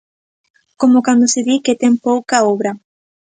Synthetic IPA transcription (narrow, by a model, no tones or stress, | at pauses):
komokand̪oseðiket̪eŋpowkaoβɾa